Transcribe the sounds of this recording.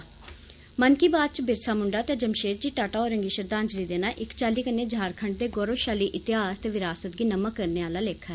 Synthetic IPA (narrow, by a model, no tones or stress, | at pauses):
mənkiːbaːd̪̚t͡ʃbɪɾsaːmʊɳɖaːt̪eːd͡ʒəmʃeːt̪̚d͡ʒiːʈaːʈaːɔːɾəŋɡiːʃəɾd̪aːnd͡ʒliːd̪eːnaːʔɪkt͡ʃaːliːkənːeːd͡ʒaːɾkʰəɳʈ̚d̪eːɡɔːɾoːʃaːliːʔɪt̪ɪɦaːst̪eːʋɪɾaːsət̪̚ɡiːnəməkːəɾneːaːlaːleːkʰɛː